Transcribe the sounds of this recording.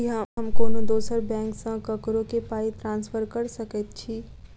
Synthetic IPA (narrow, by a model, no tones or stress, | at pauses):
iɦɦɐmkoːnõd̪oːsəɾbɛ̃ːŋksãkɐkɾõkepaːit̪ɾãːnsfʰəɾkɐɾsɐkət̪̚t͡ʃʰiː